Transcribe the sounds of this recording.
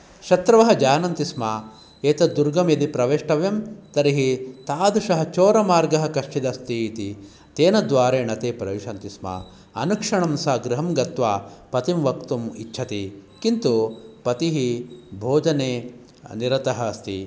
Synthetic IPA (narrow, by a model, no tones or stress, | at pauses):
ʃɐt̪ɾɐʋɐɦɐd͡ʒaːnɐnt̪ismaː | eːt̪ɐd̪uɾɡɐmjɐd̪ipɾɐʋeːʂʈɐʋjɐmt̪ɐɾiɦit̪aːd̪uʂɐɦɐt͡ʃoːɾɐmaːɾɡɐɦɐkɐʂʈid̪ɐst̪iːt̪i | t̪eːnɐd̪ʋaːɾeːɳɐt̪eːpɾɐʋiʂɐnt̪isma̰ | ɐnukʂɐɳɐmsaːɡɾiɦɐmɡɐt̪ʋaːpɐt̪imʋɐkt̪umitːʃʰɐt̪ikint̪upɐt̪iɦibʱoːd͡ʒɐneː | niɾɐt̪ɐɦɐst̪ḭ